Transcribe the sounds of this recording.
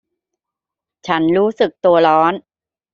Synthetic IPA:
t͡ɕʰa˦˥nɾuː˦˥sɯ˨˩k̚t̪u˧ɐlɔː˦˥n

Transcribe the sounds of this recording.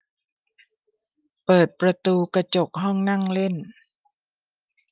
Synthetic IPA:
pɤː˨˩t̪̚pɾa˧t̪uː˧ka˧t͡ɕo˨˩k̚ɦɔ˥˩ŋna˥˩ŋle˥˩n

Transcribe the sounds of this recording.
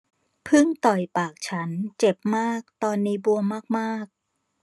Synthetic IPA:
pʰɯ˥˩ŋt̪ɔ˨˩jpaː˨˩k̚t͡ɕʰa˦˥nt͡ɕe˨˩p̚maː˥˩k̚t̪ɔː˧nːiː˦˥bu˧əmaː˥˩k̚maː˥˩k̚

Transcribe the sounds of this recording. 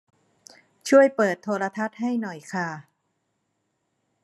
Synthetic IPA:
t͡ɕʰu˥˩əjpɤː˨˩t̪ʰːoː˧ɾa˧t̪ʰa˦˥t̪̚ha˥˩jnɔ˨˩jkʰaː˧˩

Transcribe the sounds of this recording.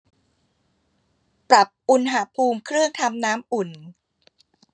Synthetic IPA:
pɾa˨˩p̚ʔu˨˩nɦa˨˩pʰuː˧mkʰɾɯ˥˩əŋt̪ʰa˧mnaː˦˥mʔu˨˩n

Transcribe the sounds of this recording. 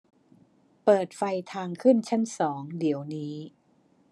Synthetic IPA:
pɤː˨˩t̪̚fa˧jt̪ʰaː˧ŋkʰɯ˥˩nt͡ɕʰa˥˩nsɔː˩˦ŋdi˩˦əwniː˦˥

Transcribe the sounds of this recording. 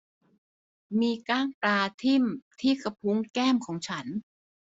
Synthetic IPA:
miː˧kaː˥˩ŋpɾaː˧t̪ʰi˥˩mt̪ʰiː˥˩kʰa˧pʰu˦˥ŋkɛː˥˩mkʰɔː˩˦ŋt͡ɕʰa˦˥n

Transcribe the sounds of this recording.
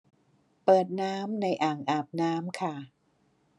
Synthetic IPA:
pɤː˨˩t̪̚naː˦˥mna˧jʔaː˨˩ŋʔaː˨˩p̚naː˦˥mkʰa˥˩

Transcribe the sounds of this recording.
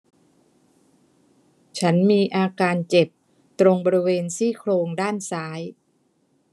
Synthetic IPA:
t͡ɕʰa˦˥nmiː˧ʔaː˧kaː˧nt͡ɕe˨˩p̚ | t̪ɾo˧ŋbɔː˧ɾi˦˥weː˧nsiː˥˩kʰloː˧ŋdaː˥˩nsaː˦˥j

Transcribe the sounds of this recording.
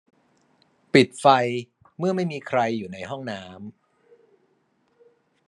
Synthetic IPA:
pi˨˩t̪̚fa˧j | mɯ˥˩ɐma˥˩jmiː˧kʰɾa˧jːuː˨˩na˧jɦɔ˥˩ŋnaː˦˥m

